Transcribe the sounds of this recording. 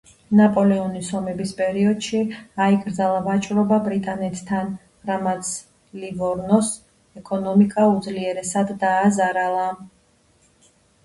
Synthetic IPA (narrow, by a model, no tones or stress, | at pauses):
napʼɔlɛɔnisɔmɛbispʼɛɾiɔd̪̥ʃiaikʼɾd̪zalˠavat͡ʃʼɾɔbabɾit̪ʼanɛt̪ʰt̪ʰːan | ɾamat̪sʰ | livɔɾnɔs | ɛkʼɔnɔmikʼaud̪zliɛɾɛsad̪ːaːzaɾalˠa